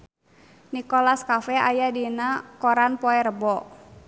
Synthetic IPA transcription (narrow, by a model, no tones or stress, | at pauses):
nikɔlaskafɛa̰jadinakɔɾanpɔɛɾəbɔ